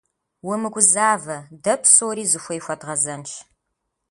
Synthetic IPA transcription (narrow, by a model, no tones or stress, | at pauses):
wʊmɨɡʷʊzaːvɐdɐpʰsoːɾiːzɨxʷɔjxʷɐdʁɐzɐnʃ